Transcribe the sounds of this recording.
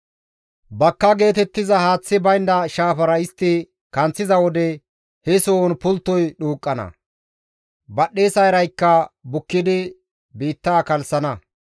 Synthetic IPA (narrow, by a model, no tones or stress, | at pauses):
bɐkːɐɡe̞ːt̪ɛt̪ːɪzɐhaːt͡sːɪbɐjnd̪ɐʃaːfɐɾɐɪst̪ːɪ | kɐnt͡sːɪzɐwɔd̪ɛ | hɛsoːnpʊlt̪ːɔjɗuːkʼːɐnɐ̰ | bɐɗːe̞ːsɐjɾɐjkːɐbʊkːɪd̪ɪ | biːt̪ːaːkɐlsɐnɐ